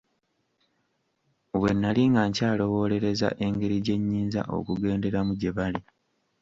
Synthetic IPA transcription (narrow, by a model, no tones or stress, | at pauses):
βwe̞nːaliŋɡaːɲcaːlo̞wo̞ːle̞ɾe̞za̰ʔe̞ŋɡe̞ɾiɟe̞ɲːiːnza̰ʔo̞̰kuɡe̞ːnde̞ɾamuɟeβali